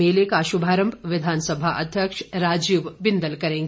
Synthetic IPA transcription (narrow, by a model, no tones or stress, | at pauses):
eːlekaːʃubʱaːɾəmbʱʋɪd̪ʱaːnsɐbʱaʔɐd̪ʱjəkʂɾaːd͡ʒiːʋbɪnd̪əlkɐɾẽːŋɡ